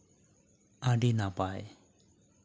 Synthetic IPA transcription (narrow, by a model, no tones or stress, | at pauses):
aɖinapaj